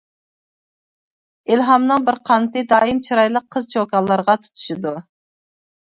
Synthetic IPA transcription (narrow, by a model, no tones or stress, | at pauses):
ilɦɑmnɨŋbɪɾqʰɑnt̪ɨd̪ɑːimt͡ʃʰiɾɑjlˠəqʰːəzt͡ʃʰokɑlˠːɑɾʁɑt̪ʰu̥t̪ʰu̥ʃid̪u